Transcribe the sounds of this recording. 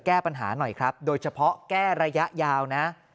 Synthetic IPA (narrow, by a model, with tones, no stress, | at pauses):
kɛː˥˩pa˧nɦaː˩˦nɔ˨˩jkʰɾa˦˥p̚doː˧jt͡ɕʰa˧pʰɔ˦˥kɛː˥˩ɾa˧ja˦˥ʔjaː˧wna˦˥